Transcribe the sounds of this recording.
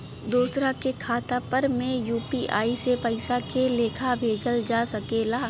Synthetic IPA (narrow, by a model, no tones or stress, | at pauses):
d̪uːsɾakekʰaːt̪apəɾmẽjuːpiʔaːisepɐɪsakeleːkʰabʱeːd͡ʒəld͡ʒasɐkeːlaː